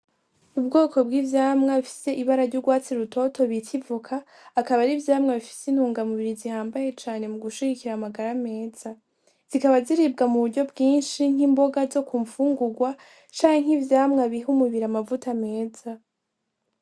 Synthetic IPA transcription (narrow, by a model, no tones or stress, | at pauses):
ubɡo̞ːko̞bɡiːvjaːmŋaβifi̥se̞ʔiβaɾaɾɟuɾɡwaːt͡siɾuto̞tʰo̞βitʰivukʰaː | kaβaɾivjaːmŋaβifi̥sin̥huːŋɡamuβiɾizihaːmbaje̞t͡ʃaːne̞muɡuʃiɡikiɾamaɡaɾame̞ːz̥a | z̥ikaβaziɾibɡamuβuɾɟo̞bɡiːnʃiŋ̥imbo̞ɡazo̞kuɱfuːŋɡuɡwa | t͡ʃaːheŋ̥ivjaːmŋaβiɦumuβiɾamavutame̞ːz̥a